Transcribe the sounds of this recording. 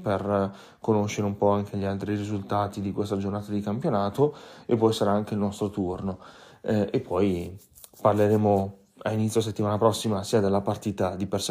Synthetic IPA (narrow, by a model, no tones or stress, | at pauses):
per | konoʃːeɾeumpɔaŋk̟ʰeʎialt̪ɾirizult̪aːt̪id̪ikwest̪ad͡ʒornaːt̪ad̪ikampjonaːt̪oepːɔjsaɾaaŋk̟eilnɔst̪ɾot̪urno | epʰːɔj | parleɾeːmo | a̰init̪sjos̬et̪ːimaːnapɾɔsːimasiad̪alːapart̪iːt̪ad̪ipers